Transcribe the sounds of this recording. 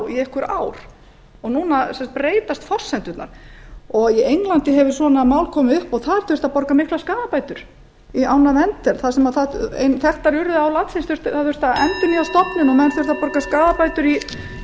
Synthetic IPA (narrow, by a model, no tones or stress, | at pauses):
iehkʏɾaːwɾ̥ | ɔɣnuːnasɛmsḁt̪pɾeːjt̪ast̪fɔr̥sːɛnt̪ʏt̪na̰ɾ̥ɔɣiejŋlant̪ɪɦɛvʏ̥sɔnamaːwlkʰɔːmɪʏhpɔɣθaðɾ̥θʏɾ̥t̪apɔɾkamɪhklaskaːðapaːjt̪ʏɾ̥ | iaːwnavɛnt̪ɛɾ̥θasɛmaðθaḛnθɛht̪ːaɾʏɾðɪawlat̪sɪnsθʏɾ̥st̪aðθwɛst̪aɛnt̪ɪniast̪ɔpnɪnɔmɛðnθœɾ̥t̪apɔɾkaskaːðapajt̪ʏɾi